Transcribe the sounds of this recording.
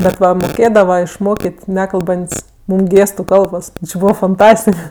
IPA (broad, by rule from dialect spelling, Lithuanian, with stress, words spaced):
bʲɛt ˈʋɐ moːˈkʲeːdɐʋɐ ɪʃˈmoːkʲeːtʲ ˈnʲæːkɐlˠbɐnʲtʲsʲ ˈmuːm ˈɡʲeːstʊ ˈkɐlˠboːs ˈbuːʋɐ fɐnˈtɑːsʲtʲɪk